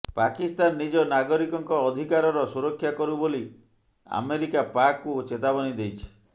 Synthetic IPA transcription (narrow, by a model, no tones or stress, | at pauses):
pakist̪anːid͡ʒɔnaɡɔɾikɔŋkɔːd̪ʱikaɾɔɾɔsuɾɔkʰːjakɔɾuboli | a̰meɾikapakːut͡ʃet̪abɔnid̪ejt͡ʃʰi̥